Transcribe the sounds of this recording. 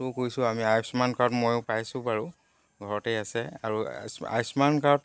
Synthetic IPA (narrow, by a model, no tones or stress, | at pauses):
ʊkoɹjsʊ̃amiajsmankaɹɔtmojʊpajsʊ̃baɹu | ɡʱɔɹɔtɛjasɛa̰ɹusa̰jsmankaɹɔt